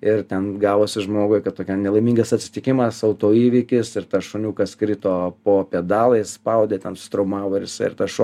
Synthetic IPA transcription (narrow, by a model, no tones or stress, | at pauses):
ɪrt̪ʲɛnɡɑːʋoːsʲɪʒmoːɡʊɪkɐt̚t̪oːkʲɛnʲɛlˠɐɪmiŋɡɐsɐt̪ʲsʲɪ̥t̪ʲɪkʲɪmɐsɐʊt̪oːiːʋʲɪkʲɪsɪɾt̪ɐʃonʲuːkɐskɾʲit̪oːpoːpʲɛd̪ɑːlˠɐɪsspɐʊd̪ʲeːt̪ʲɛnsʊ̥t̪ɾɐʊmɑːʋoːɪɾjɪsɐɪɪ̰rt̪ɐʃo